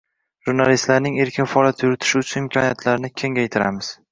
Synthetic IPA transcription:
ʒ̥uɾnalist̪laɾnɪŋe̞ɾkʲʰɪnfaɒlˠjat̪ʰjʊɾɪt̪ʰɪ̥ʃɪʊt̪t͡ʃʰʊnɪmkʰɒnijat̪ʰlaɾnɪkʲʰe̞ŋʲajt̪ʰɪɾa̰mɪz̥

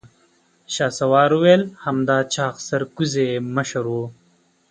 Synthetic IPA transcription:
ɕaːsɐwɑːɾuwejlhɐmd̪aːt͡ɕaːxsɐɾkuzemɐʃɐɾwo

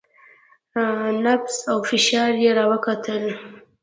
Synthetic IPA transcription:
nafsawfɪʃɑɾjeɾɑwəkat̪ʰəl

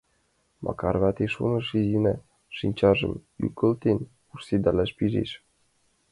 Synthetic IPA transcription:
mʔɑ̰kɑrβɑt̪eʃṵnɤ̆ʃizinɑ | ʃinʲt͡ɕɑʒɤ̰̆my̰kə̆lt̪en | ursed̪ɑlæʃpiʒḛʃ

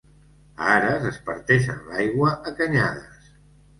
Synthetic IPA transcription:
aɾəzəspəɾt̪ɛʃə̰nlajɣwəʔəkəɲaðəs

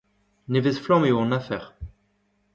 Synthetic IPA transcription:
nevezflɔ̃mewɔ̃nafɛʁ

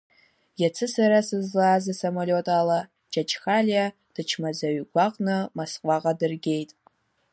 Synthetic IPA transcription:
jat͡sʰɨsaɾasɨzlaːzɨsɐmolʲotʼaːla | d͡ʒʼat͡ʃʰʼxalja | d̥ɨt͡ʃʰmazɐɥɡʷaqʼnɨmasqʷʼɑqʼadɨrɡʲe̞jtʼ

